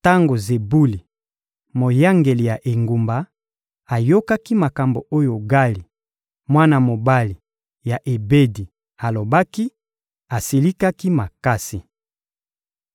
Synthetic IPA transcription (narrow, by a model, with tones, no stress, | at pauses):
ta˦ŋɡo˨ze˨bu˦li˨ | mo˨ja˦ŋɡe˨li˨ja˨ʔe˨ŋɡu˨mba˨ | a˨jo˦ka˦ki˦ma˨ka˨mbo˨o˦jo˨ɡa˦li˨ | mwa˦na˨mo˨ba˦li˨ | ja˨ʔe˨be˦di˨ | a˨lo˨ba˦ki˦ | a˨si˨li˦ka˦ki˦ma˨ka˦si˨